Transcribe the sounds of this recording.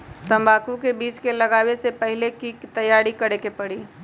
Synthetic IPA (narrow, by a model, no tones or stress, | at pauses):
t̪ə̃mbaːkũkebiːt͡ʃkeləɡaːwesepəɦɪlekit̪əjaːɽikəɽekepəɽiː